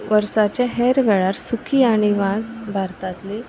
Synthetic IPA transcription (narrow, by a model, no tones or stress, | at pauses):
ʋəɾsat͡ɕjaɦɛɾʋɛɭaɾsukʰiːaɽ̃iʋãsbʱaɾt̪at̪li